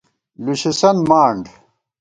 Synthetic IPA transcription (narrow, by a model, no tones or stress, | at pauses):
luɕisɐnmaːɳɖ